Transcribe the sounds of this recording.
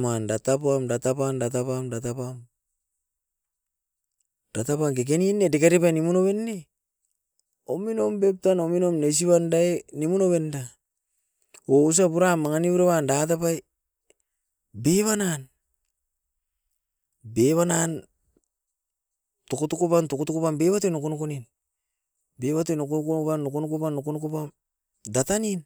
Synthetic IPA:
mandatapamdatapamdatapamdatapam | d̥atapamkek̬eninːedekaɾipajnimunoβe̞nːe | omino̞mbep̚tanominomnes̬iβandaenimunoβe̞nda | ous̬apuɾamːaŋaniuɾeβandat̬apaj | beβanan | beβanan | tokotokopantokotokopambeβatenokonokonin | beβatenokokoopanːokonokopanːokonokopam | datanin

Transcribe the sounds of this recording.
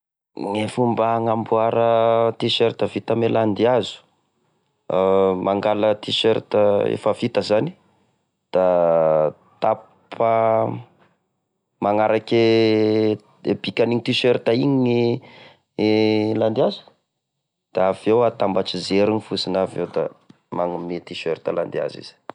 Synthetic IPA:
ŋefumbaaŋambuaɾət̪iʃeɾt̪əvit̪ameland̪iazu̥ | maŋɡalət̪iʃeɾt̪əḛfavit̪əzani̥ | d̪̥a | t̪a | pʰə | maŋaɾake | eb̥ikʲaniɲit̪iʃeɾt̪aiɲi | land̪iazu̥ | d̪̥aavewat̪ambaʈ͡ʂizeɾunifusinavewd̪a̰ | maŋumet̪iʃeɾt̪əla̰nd̪ia̰zḭz̥i̥

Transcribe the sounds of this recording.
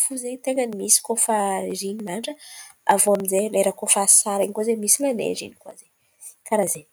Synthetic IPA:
fuzet̪eŋənimisi̥kofazinimaɳɖ͡ʐəa̰voamizeleɾakofasaɾeŋikazemisilanḛzḭnikwa̰ze | kaɾaze

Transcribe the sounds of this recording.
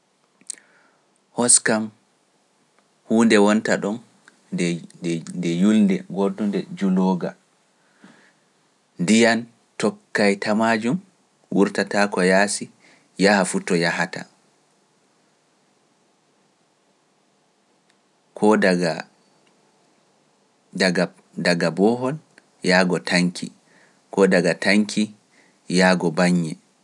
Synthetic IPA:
hɔskam | huːndɛwɔntaɗɔn | ndɛjulndɛɡodːundɛd͡ʒuloːɡa̰ | ndijan | tɔkːajtamad͡ʒum | wuɾtatakɔjaːsi | jahafutɔjahata̰ | kʰɔdaɡa | a | daɡabɔːɦɔl | jaːɡɔtʰaŋkʰḭ | kɔdaɡataŋkʰi | jaːɡɔbaɲːɛ

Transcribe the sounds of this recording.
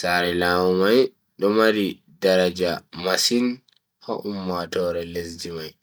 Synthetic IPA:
saɾɛlaːwumaj | ɗɔmaɾi | daɾad͡ʒamasin | hɔ̰ʔumːatɔːɾɛlesd͡ʒimaj

